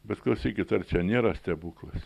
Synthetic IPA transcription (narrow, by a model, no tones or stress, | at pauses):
bʲɛt̪klˠɐʊsʲiːkʲɪt̪ɐrt͡ʃʲɛnʲeːɾɐsʲt̪ʲɛbuːklˠɐs